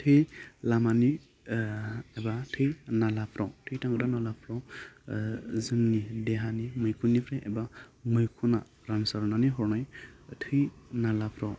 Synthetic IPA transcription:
tʰɯjlamani | ebatʰɯjnalapʰɾɔwtʰɯjtaŋɡɯɾanalapʰɾɔ | zɯŋnideɦanimɯjkʰunːipʰɾajʔḛbamɯjkʰuna | ɾansaɾnaniɦɔɾnajtʰɯjnalapʰɾɔw

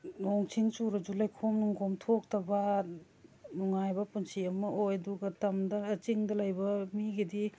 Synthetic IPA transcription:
noŋt͡ʃʰiŋsuɾɐd͡ʒulajkʰomnuŋɡomtʰok̚tɐbɐ | nuŋajbɐpunsiɐmɐʔojɐduɡɐtɐmdɐːt͡ʃiŋdɐlajbɐmiɡedi

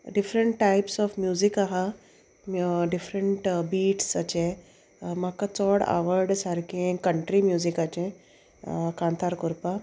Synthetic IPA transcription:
ɖifɾəɳʈʈajpsɔfmjuzikaɦa | ɖifɾəɳʈbiːʈsat͡ɕẽ | makat͡sɔɽa̰ʋəɾɖsaɾkẽkəɳʈɾimjuːzikat͡ɕẽ | kãnt̪ʰaɾkuɾpa

